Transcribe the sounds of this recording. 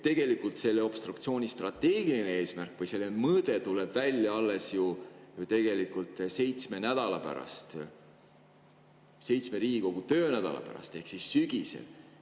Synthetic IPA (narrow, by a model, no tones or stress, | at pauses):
t̪e̞ɡ̥e̞likːˑult̪se̞lːeo̞b̥st̪rukt̪sio̞ːnʲist̪rɑt̪ːe̞ːɡ̥ilinee̞ːsmærkːˑvɯjse̞lːemɤːd̪̥e̞t̪ule̞b̥vælʲjɑɑlːe̞sjut̪e̞ɡ̥e̞likult̪ˑse̞jt̪sme̞næd̪̥ɑlɑ̰pæ̰ɾɑ̰st̪ | se̞jt̪sme̞ɾiːɡiko̞ɡ̥ut̪ø̞ːnæd̪̥ɑ̰lɑ̰pæ̰ɾɑ̰st̪e̞hksissyɡ̥isḛl